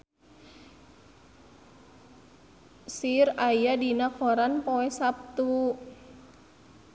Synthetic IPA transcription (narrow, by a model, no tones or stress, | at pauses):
sirajadinakɔɾanpoɛsap̚t̪u